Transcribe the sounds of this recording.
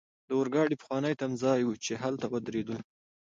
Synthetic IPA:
d̪əwʊɾɡɑɽipə̥xwɑnəjt̪amzɑjwut͡ʃeɦalt̪awəd̪ɾed̪əl

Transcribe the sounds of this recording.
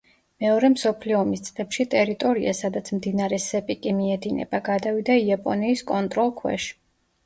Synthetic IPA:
mɛɔɾɛmsɔpʰliɔːmist̪sʼlɛpʃit̪ʼɛɾit̪ʼɔɾia̰sad̪at̪sʰmd̪inaɾɛsɛpʼikʼimiɛd̪inɛ̰baɡad̪avid̪aiapʼɔniːskʼɔnt̪ʼɾɔlˠkʰwɛ̰ʃ

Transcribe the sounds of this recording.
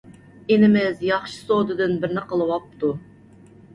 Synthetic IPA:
enɪmɪzjɑχʃɨ̥sod̪ɨd̪ɨnbɪɾnɪqʰəlˠɨwɑp̚t̪ʰu

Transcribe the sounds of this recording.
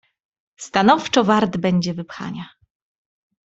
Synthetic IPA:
st̪anɔft͡ʂɔvaɾd̪bɛɲd͡ʑɛvɘpxa̰ɲa

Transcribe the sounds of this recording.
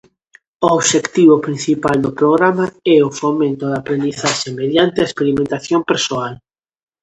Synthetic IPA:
ooβʃekt̪iβopɾin̟θipald̪opɾoɣ̞ɾamaɛofomẽnt̪oðapɾẽnd̪iθaʃemeðjant̪eaespeɾimẽnt̪aθjompeɾsoal

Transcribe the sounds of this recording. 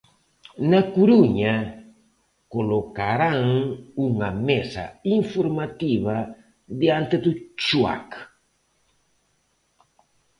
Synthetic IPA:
nakuɾuɲa | kolokaɾaŋuŋamesa̰iɱfoɾmat̪iβa | d̪iant̪et̪ut͡ʃua̰k

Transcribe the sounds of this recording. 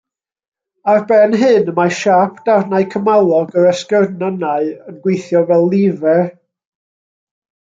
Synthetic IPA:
arbɛnɦɨnəmaʃapʰd̥arnaɨkʰəmalˠɔɡəɾəskərnanaɨənɡwejθjɔvɛlˠːɪvɛ

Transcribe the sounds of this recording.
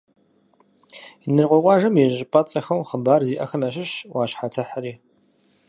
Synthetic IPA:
nɨrqʷɔqʷɑːʒɐmjɛʒɪpʼɐt͡sʼɐxɐwχəbaːrziːʔɐxɐmɐɕ̬ɪɕwɑːɕħatʰɐħəɾiː

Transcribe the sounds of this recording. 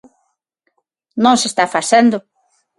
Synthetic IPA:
nõŋ̃sest̪afasend̪ʊ

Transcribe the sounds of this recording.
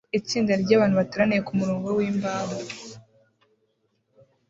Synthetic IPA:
it͡siːndaɾɟaːβaːn̥huβatuɾanijekumuɾo̞ːŋɡo̞wiːmbaːβa

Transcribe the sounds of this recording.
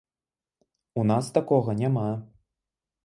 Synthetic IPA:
unast̪akɔɣɐnʲama

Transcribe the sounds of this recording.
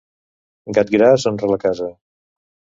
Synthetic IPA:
ɡat̪̚ɡɾasonrələkazə

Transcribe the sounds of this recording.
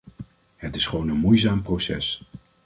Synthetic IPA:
hətɪsχʋownənmujzaːmprosɛ̰s

